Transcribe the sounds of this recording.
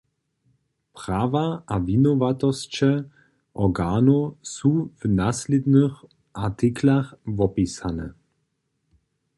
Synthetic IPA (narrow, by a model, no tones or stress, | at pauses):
pʁ̥aːvaʔavinɔvatɔst͡ʃɛ | ʔɔɡaːnosuvnaslid̪nəx | ʔat̪iklaxvɔpisanɛ̰